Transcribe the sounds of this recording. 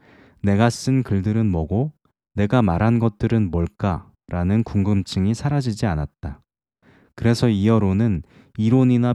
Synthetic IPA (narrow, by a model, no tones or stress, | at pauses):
ne̞ɡas͈ɯnkɯɭdɯɾɯnmʌɡo | ne̞ɡamaɾɦanɡʌt̚t͈ɯɾɯnmoɭk͈a | ɾʔanɯnkuŋɡɯmt͡ɕʰɯŋisʰaɾad͡ʑid͡ʑianat̚t͈a | kɯɾe̞sʰʌiʌɾonɯn | iɾoɲina